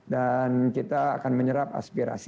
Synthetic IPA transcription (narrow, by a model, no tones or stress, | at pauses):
dankit̪aːkanməɲəɾap̚a̰spiɾa̰s